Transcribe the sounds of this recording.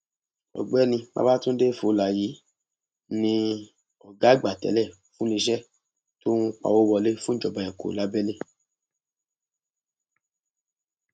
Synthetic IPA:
ɔ̰˨ɡ͡bɛ˨˦nĩ˧ma̰˦ba˦tũ˦n̩˦de˦˨fo˨˦˨la˨ji˨˦ | nĩ˧ | ɔ˨ɡa˨˦ɡ͡ba˨tɛ̰˨˦lɛ˦˨ | fũ˦li˧ʃɛ˦ | tõ˦ũ˦k͡pa̰˨wo˦wɔ˧le˦fũ˦d͡ʒɔ˨ba˨ɛ̃˨ko̰˨la˨˦bɛ˦le˦

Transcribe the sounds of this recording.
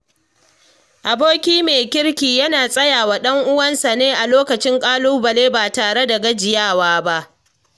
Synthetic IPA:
ʔa˨boː˦kʲiː˦meː˨kʲɪ˦ɽkʲiː˨jɐ˦naː˨sʼɐ˦jaː˨wa˨ɗɐ˦ŋʔʊ˦wɐ˦nsa˨neː˦ʔa˨loː˦kɐ˨t͡ʃɪ˦ŋkʼaː˦lu˦bɐ˨leː˦baː˨taː˨ɽe˦da˨ɡɐ˦d͡ʒɪ˨jaː˦˨waː˦ba˦ʔ

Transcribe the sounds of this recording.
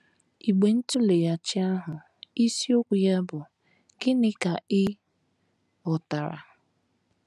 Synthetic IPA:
i˨ɡ͡be˨n̩˦tu˦le˨ja˨t͡ʃɪ˦a˦ɦʊ˨ | i˦si˦o˦kʷu˨ja˦bʊ˨ | ɡ̥ɪ˦nɪ˦ka˨ɪ˦ | ʊ˨ta˨ɾa̰˨

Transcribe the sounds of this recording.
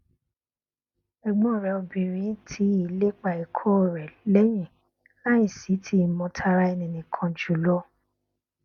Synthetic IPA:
ɛ˨ɡ͡bɔ̃˦˨ɾɛ˨o˧bĩ˨ɾ̃ĩ˨˦tʰi˧˦i˨le˦k͡pa˨i˨kʰɔ˦˨ɾɛ˨lɛ˦j̃ĩ˨ | la˦ĩ˦˨si˨˦tʰi˧˦˨mɔ̃˧tʰa˧ɾa˧ɛ˧nĩ˨nĩ˨kʰã˧d͡ʒu˨lɔ˦

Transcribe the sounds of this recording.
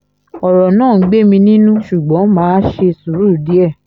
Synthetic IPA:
ɔ˨ɾɔ˨nãː˦˨˦ɡ͡be˦˨mĩ˧nĩ˦nũ˦ʃu˨ɡ͡bɔ̃˨˦mãː˨˦ʃe˧su˨ɾu˦˨di˨˦ɛ˦˨

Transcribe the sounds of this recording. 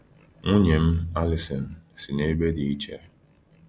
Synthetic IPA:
ŋu˦ɲe˨m̩˦a˦li˨sɔ˨n̩˨si˨ne˦be˦di˨i˦t͡ʃe˦

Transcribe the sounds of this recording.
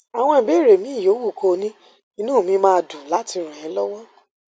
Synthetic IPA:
a˨w̃ɔ̃˧ĩ˨be˨˦˨ɾe˨mĩ˨˦˨joː˨˦wu˦˨ko˧nĩ˦ | i˦nũː˦˨mĩ˨˦mãː˦˧du˨la˨˦ti˧ɾ̃ũ˨jɛ̃˨˦lɔ˦wɔ˦

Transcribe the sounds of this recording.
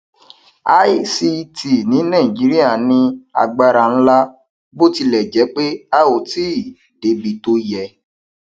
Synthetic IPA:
a˦i˦si˧tʰi˨nĩ˨˦nã˦˨ĩ˨d͡ʒi˨˦ɾi˦a˦˨nĩ˧a̰˨ɡ͡ba˧ɾa˨n̩˦la˦ | bo˦ti˧lɛ˨d͡ʒɛ˨˦k͡pe˦a˦o˨ti˦˨ | de˨˦bi˧to˧jɛ˧˨

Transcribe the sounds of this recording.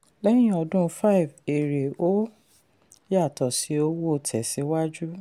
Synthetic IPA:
lɛ˦j̃ĩ˦ɔ˧dũ˦fa˦i˨ve˨ɾe˨o˦ | ja˦˨tɔ˨si˨˦o˦wo˦˨tʰɛ˨si˨˦wa˦d͡ʒu˦

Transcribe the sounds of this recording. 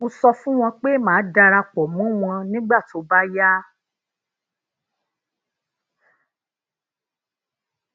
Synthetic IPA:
ũ˧sɔ˧fũ˦w̃ɔ̃˧k͡pe˦mãː˨˦da˧ɾa˧k͡pɔ˨mũ˨˦w̃ɔ̃˧nĩ˦ɡ͡ba˦˨to˨˦ba˦ja˦

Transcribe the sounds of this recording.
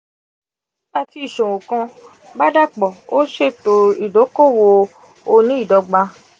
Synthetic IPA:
a˧ti˧i˨ʃõ˨wo˨kã˧ | ba˦da˦k͡pɔ˨o˦ʃe˦˨to˧i˦˨do˨˦ko˦˨wo˧ | o˧nĩ˦i˦˨dɔ˧˦ɡ͡ba˧

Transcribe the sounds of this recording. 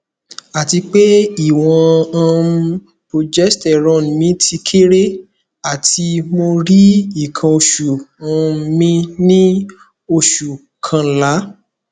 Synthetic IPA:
a˨ti˧k͡pe˦i˦˨w̃ɔ̃˧ã˧ | po˨d͡ʒɛ˦stɛ˨ɾɔ̃˨˦˨mĩ˨˦tʰi˧kʰe˦ɾe˦ | a˨tʰi˧mo˧ɾi˦i˦˨kʰã˧o˧ʃu˨ã˧˦mĩ˧nĩ˦ | o˧ʃu˨ | kʰã˧˨la˨˦

